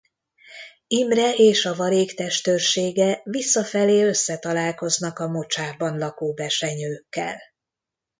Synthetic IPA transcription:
imrɛeːʃɒvɒɾeːkt̪ɛʃt̪ørʃeːɡɛvisːɒfɛleːø̞sːɛt̪ɒlaːlko̞znɒkɒmo̞t͡ʃaːbɒnlɒkoːbɛrʃɛɲøːkːɛ̰l

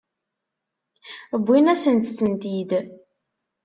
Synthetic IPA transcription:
əbʷːinæsənt̪sənt̪id̪

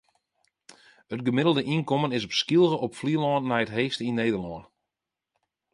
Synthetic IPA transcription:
ətɡəmɪdəl̩ˠdəʔinkɔmənɪsɔpskilˠɣəʔɔpfliəlɔːnːɛjətɦeːstəinːejdərlɔːn

